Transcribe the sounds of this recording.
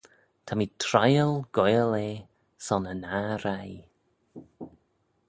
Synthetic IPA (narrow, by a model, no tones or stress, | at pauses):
tʰamitʰɾajəlˠɡ̥ɔjəleː | sɔnənaɾaj